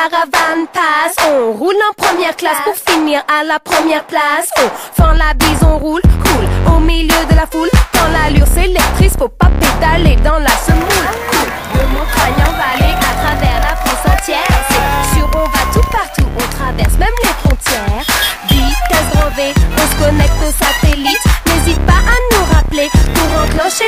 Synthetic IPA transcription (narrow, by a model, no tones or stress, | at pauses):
aʁavanpasɔ̃ʁulɑ̃pχəmjɛʁklaspuʁfiniʁalapχəmjɛʁplasɔ̃fɑ̃labizɔ̃ʁulʁulomiljød̪əlafulkɑ̃lalyʁselɛk̚t̪χispuʁpaped̪aled̪ɑ̃lasəmmulku | d̪əmɔ̃kχajɑ̃vaːleʔat̪χavɛʁlafɔ̃sɑ̃t̪jɛːʁsesyʁɔ̃vat̪upaʁt̪uʔɔ̃t̪χavɛʁsmɛmlefχɔ̃t̪jɛːʁd̪ikɛ̃ɡʁɑ̃veɔ̃sə̥kɔnɛk̚t̪osat̪elit̪nezit̪̚paʔanuʁaplepuʁɑ̃klɑ̃ʃe